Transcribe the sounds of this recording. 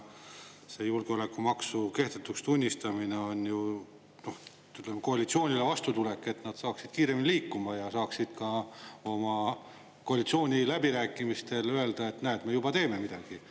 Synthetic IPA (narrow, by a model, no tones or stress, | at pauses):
se̞ːjulɡeo̞le̞kːumɑksuke̞ht̪et̪ːˑust̪unʲːist̪ɑmine̞o̞nʲju | no̞h | yt̪lemko̞ɑlit̪sio̞ːnʲilevɑst̪ut̪ule̞kːˑe̞t̪nɑd̪̥sɑːksid̪̥kiːɾe̞minʲiliːkːumɑjɑsɑːksid̪̥kɑo̞mɑ | ko̞ɑlit̪sio̞ːnʲilæbiɾæːkːˑimist̪e̞løe̞ld̪ɑe̞t̪ːnæːt̪me̞jub̥ɑt̪e̞ːme̞mid̪̥ɑɡ̥i